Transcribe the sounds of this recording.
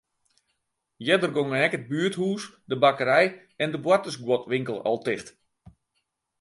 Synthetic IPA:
jɛdərɡoŋəɛkəd̚byːəthuːs | dəbakəɾɛj | ɛndəbwatəsɡwɔtʋɪŋkəlˠɔ̰lˠtɪxt

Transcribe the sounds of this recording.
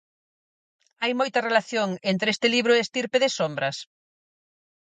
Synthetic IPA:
ajmojt̪ɐrelaθjoŋent̪ɾest̪ɪliβɾʊest̪iɾpeðɪsombɾɐs

